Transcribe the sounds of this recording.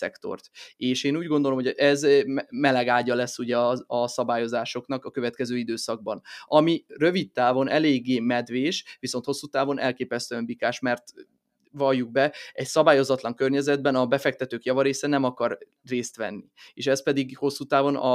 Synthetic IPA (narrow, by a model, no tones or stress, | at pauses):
sɛ̰kt̪o̞̰rt̪eːʃeːnuːɟɡond̪o̞lomɦoʔɛzmɛlɛɡaːɟɒlɛsːuɟɛɒɒsɒbaːjo̞zaːʃo̞knɒkɒkø̞vɛt̪kɛzøːid̪øːsɒɡ̚bɒnɒmirø̞vit̪ːaːvo̞nʔɛleːɡːeːmɛd̪ʋeːʃʋiso̞nt̪ho̞sːuːt̪aːvo̞nʔɛ̰lkeːpɛst̪øɛɱbikaːʃmɛrt̪ | vɒljːuɡ̚bɛɛcsɒbaːjo̞zɒt̪lɒŋkørɲɛzɛd̪̚bɛnɒbɛfɛk̚t̪ɛt̪øːkjɒvɒɾeːsɛnɛmɒkɒr | reːst̪ʋɛ̰nːieːʃɛspɛd̪iɡho̞sːuːt̪aːvo̞nɒ